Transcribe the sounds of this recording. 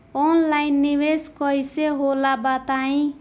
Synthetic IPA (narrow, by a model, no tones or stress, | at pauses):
ɔnlajnːibeskʌjseɦolabat̪aĩ